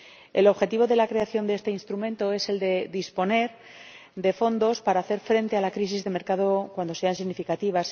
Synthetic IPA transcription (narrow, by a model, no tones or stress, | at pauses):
e̞̰lo̞βxe̞t̪iβ̞o̞ðe̞lakɾe̞aθjo̞nd̪ee̞st̪e̞inst̪ɾumẽ̞nt̪o̞e̞se̞ld̪e̞d̪ispo̞ne̞ɾ | d̪e̞fo̞nd̪o̞spaɾaːθe̞ɾfɾe̞nt̪ealakɾisizðe̞me̞ɾkaðo̞kwand̪o̞se̞ansiɣnifikat̪iβ̞as